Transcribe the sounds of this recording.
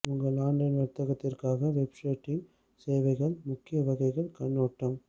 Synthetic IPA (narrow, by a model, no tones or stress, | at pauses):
ʊŋɡɐɭaːɳɖɐnʋɐɾt̪ːɐɣɐt̪ːɪrkaːɣɐʋɛpʂeːʈːɪŋ | seːʋɐɪɣɐɭmʊkːɪjɐʋɐɣɐɪɣɐɭkɐnːoːʈːɐm